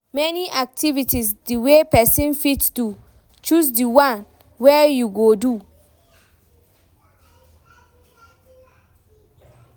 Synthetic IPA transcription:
mɛniʔak̚tʰivitʰisdiwepɛsĩnfitsdu | t͡ʃus̬diwãn | wɛjuɡodu

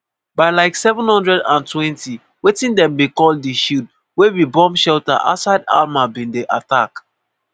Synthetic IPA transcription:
baɪlaɪksɛvə̃nhɔ̃ndɹɛdã̰ntʰwɛ̃nti | wetĩndɛ̃mbikɔlˠddiʃut | wewibɔ̃mʃɛlta̰ʔa̰saɪda̰lmabĩndeʔatak

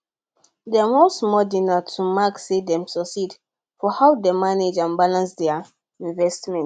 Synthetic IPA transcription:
dɛawɔ̃smɔdinatʰumaksedɛ̃msɔsid | fɔhawdemaned͡ʒãnbalãnsdɛ | ĩɱvɛstmɛ̃n

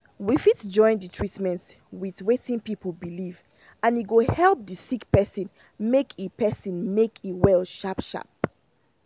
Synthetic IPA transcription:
wifitd͡ʒɔ̃ɪ̃nditʰɹ̥itmɛ̃nt | wiðwetĩŋpipl̩ˠbiliv | ãniɡohɛlˠp̚ðəsikpɛsə̃n | mekʰipɛsĩnmekʰiwɛlˠʃapʃa̰p̚

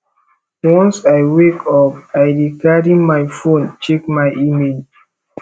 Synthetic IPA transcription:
wɔ̃nsajwekʰɔp̚ajdikaɹimajfõnt͡ʃekmajʔimed͡ʒ

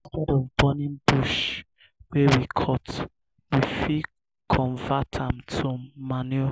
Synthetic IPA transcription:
tɛɾɔ̃b̥ɔnĩnbuʃ | wewikʰɔt | wifi | kʰɔ̃ɱvatʰãmtʰumanɛ

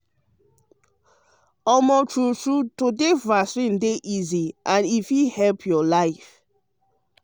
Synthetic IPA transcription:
ɔmɔtʰɹutɹutodevasɹĩndeʔiziʔãnifjuhɛlpʰjɔlaɪf

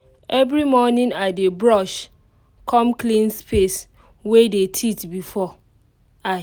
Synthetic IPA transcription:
ɛvɾimɔnɪ̃ŋadebɹɔʃ | kʰɔ̃mklĩnspes | wedetʰitbifɔ | a

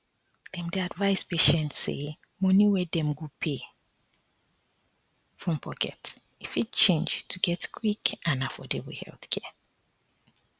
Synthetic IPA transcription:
d̥ɛ̃mdeadvaɪspeʃɛ̃ntsḛ | mɔ̃niwɛdɛ̃mɡopʰe | fɹɔ̃mpʰɔkʰɛ̰t | ifitt͡ʃẽnd͡ʒtʰuɡɛtkʰwikãnafɔdewihɛ̰lθkʰɛ

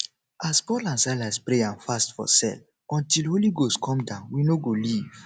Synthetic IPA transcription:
aspɔlãnsaɪlaspɹeãnfastfɔ̰sɛ̰l | ɔ̃ntilholiɡostkʰɔ̃mdãʊ̃nwinoɡoliv̥

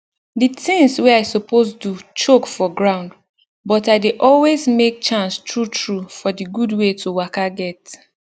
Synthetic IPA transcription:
ditɪ̃ŋswɛaɪsopʰostut͡ʃokfɔɡɹãʊ̃nd | bɔtaɪdeʔɔlwezmek̚t͡ʃãnstɹutʰɹufɔdiɡudwetʰowakaɡɛt

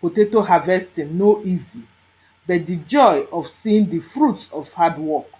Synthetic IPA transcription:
potetohavɛstĩnoʔizi | bɛt̚did͡ʒɔjɔfsĩĩndifɹutsɔv̥hadwɔk

